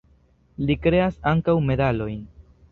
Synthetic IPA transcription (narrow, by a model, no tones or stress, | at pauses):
likɾe̞asaŋkawme̞dalo̞jn